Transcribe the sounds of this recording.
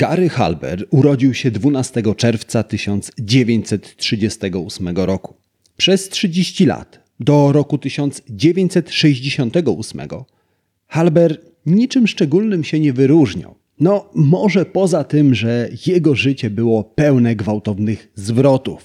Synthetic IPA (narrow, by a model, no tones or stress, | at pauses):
kaɾɘxa̰lbɛ̰ɾuɾɔd͡ʑiwɕɛd̪vunast̪ɛɡɔt͡ʂɛɾft̪sat̪ɘɕɔnt̪sd͡ʑevʲeɲt͡ɕsɛt̪tʂɘd͡ʑɛst̪ɛɡɔusmɛɡɔɾɔku̥ | pʂɛstʂɘd͡ʑeɕt͡ɕila̰t̪ | d̪ɔɾɔkut̪ɘɕɔnt̪sd͡ʑevʲjeɲt͡ɕʲsɛt̪ʂɛʑd͡ʑeɕɔnt̪ɛɡɔusmɛ̰ɡɔ | xalbɛɾ | ɲit͡ʂɘmʂt͡ʂɛɡulnɘmɕɛɲɛvɘɾuʐɲa̰w | nɔmɔʐɛpɔzat̪ɘmʐɛjɛɡɔʐɘt͡ɕɛbɘwɔpɛwnɛɡvawt̪ɔvnɘɣzvɾɔt̪uf